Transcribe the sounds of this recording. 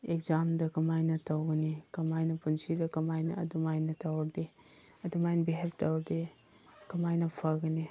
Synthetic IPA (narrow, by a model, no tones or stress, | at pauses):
ekzamdɐkɐmajnɐtawɡɐnikɐmajnɐpunsidɐkɐmajnɐ̰ɐ̰dumajnɐtawɐde | ɐdumajnɐbiɦep̚tawɾde | kɐmajnɐpʰaɡɐni